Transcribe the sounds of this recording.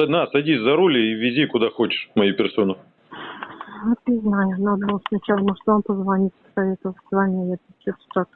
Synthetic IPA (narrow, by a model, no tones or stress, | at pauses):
ɐnasɐdʲisʲzɐɾulʲɪivʲɪzʲikʊd̪axot͡ɕɪ̥ʂmɐjupʲɪrso̞nʊ | ot̪nʲɪznajʊnad̪əbɨlˠəsnɐt͡ɕalˠəmoʐt̪vampəzvɐnʲitʲpə̥sɐvʲet̪əvəlˠʲvˠanʲɪjəjap̪t͡ɕot̪ə̥t̪ak